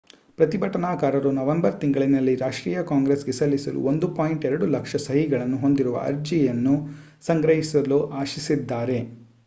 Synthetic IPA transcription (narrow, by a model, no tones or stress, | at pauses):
pɾɐt̪ibʱɐʈɐnaːkaːɾɐɾunɐʋembɐɾt̪iŋɡɐɭinɐlːiɾaːʂʈɾiːjɐkaːŋɡɾesɡesɐlːisɐlṵond̪upaːjiɳʈɛɾɐɽulɐkʂɐsɐɦiɡɐɭɐnːuɦo̞nd̪iɾuʋɐ̰ʔɐ̰ɾd͡ʒijɐnːu | sɐŋɡɾɐɦisɐluʔaːʃisid̪ːaːɾe̞